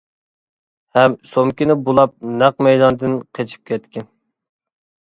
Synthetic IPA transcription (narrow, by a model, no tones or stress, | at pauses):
hɛmsomkʲinɪbolˠɑp̚næq̚mɛjd̪ɑnd̪ɨnqʰet͡ʃʰi̥p̚kʲʰɛt̪kʲɪn